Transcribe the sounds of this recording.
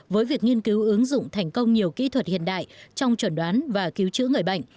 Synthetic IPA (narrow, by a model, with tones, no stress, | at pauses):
vəː˨˦jvi˨˩ək̚ŋi˧ənki˨˦wʔɨ˨˦əŋzʊ̰˧˨ŋ͡mt̪ʰɛ˨˩ŋ̟kə˧wŋ͡mɲi˨˩əwkḭ˧˥t̪ʰwə˨˩t̚hḭ˧˨ənɗa̰ː˧˨jt͡ɕɔ˧wŋ͡mt͡ɕwə˧˩nɗwaː˨˦nvaː˨˩ki˨˦wt͡ɕɨ̰˧˥ŋɨ˨˩əjɓa̰˧˨jŋ̟